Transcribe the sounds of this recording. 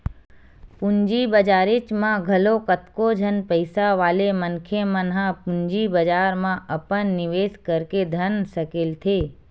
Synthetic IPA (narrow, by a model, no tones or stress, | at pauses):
pʊ̃ɲd͡ʒibəd͡ʒaːɾɪt͡ʃmãɡʱɐlokət̪kod͡ʒʱənpəɪsaʋaːlemənkʰemənɦãpʊ̃ɲd͡ʒibəd͡ʒaːɾmãʔɐpənːɪʋeːskəɾked̪ʱənsəkɪlt̪ʰeː